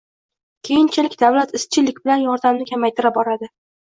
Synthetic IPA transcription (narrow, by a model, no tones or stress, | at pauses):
kʲʰe̞jɪnt͡ʃʰɪlɪkʲd̪avlat̪ɪst͡ʃʰɪlɪk̚ʲbɪlanjɒɾd̪amnɪkʲʰamajt̪ʰɪɾabɒɾad̪ɪ